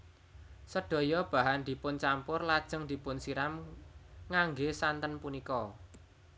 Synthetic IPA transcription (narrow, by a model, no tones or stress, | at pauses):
səɖ̥o̤jɔb̥a̤ɦand̪̥i̤pʊnt͡ʃampʊrlad̥ʒ̥ə̤ŋd̪̥i̤pʊnsiɾam | ŋaŋɡesant̪ənpunikɔ